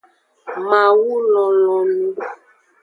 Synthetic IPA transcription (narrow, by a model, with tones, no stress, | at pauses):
ma˨wu˦lɔ˨lɔ˨lu˦